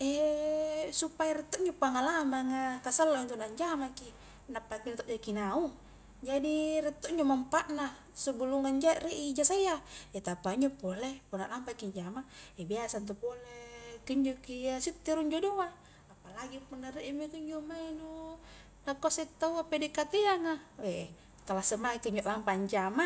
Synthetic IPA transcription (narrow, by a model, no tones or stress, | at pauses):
ɛ | supajaɾɛt̪ːoʔɲd͡ʒopaŋalamaŋakasalːaint̪unaɲd͡ʒamaki | napːakinat̪ɔʔd͡ʒakinau | d͡ʒadirɛt̪ːoʔɲd͡ʒomampaʔna | subuluŋaɲd͡ʒaʔreʔid͡ʒasaijaɛt̪apaiɲd͡ʒopolepunaʔlampakiɲd͡ʒamaebiasant̪̬upolekiɲd͡ʒokijasit̪ːiɾuɲd͡ʒoduaː | palaɡipunːaɾiʔimikiɲd͡ʒomainu | nakɔset̪ːauapedikat̪iaŋawe | k̪alasəmakiɲd͡ʒoʔlampaɲd͡ʒama